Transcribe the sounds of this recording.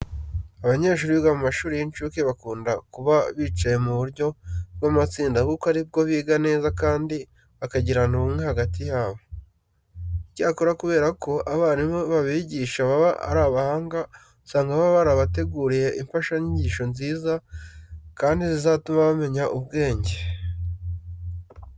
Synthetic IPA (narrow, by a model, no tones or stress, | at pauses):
aβaɲe̞ːʃ̬uːɾiɡamumaʃuːɾijint͡ʃuːkiβakuːndakuβaβiːt͡ʃaje̞muβuɾɟo̞bɡamat͡siːndaβukaɾib̚ɡo̞βiːɡane̞ːzakaːndi | βakaɟiɾanuβumŋe̞haɡatijaːβo̞ | icaːkoɾakuβe̞ːɾakʰo̞ʔaβaːnimoβaβiɟiːʃaβaβaʔa̰ɾaːβahaːŋɡa | saːŋɡaβaβaɾaβate̞ɡuːɾije̞ʔiɱfaʃaɲiɲɟiːʃo̞nziːza | kaːndizizaːtumaβame̞ɲaʔubɡe̞ːɲɟe̞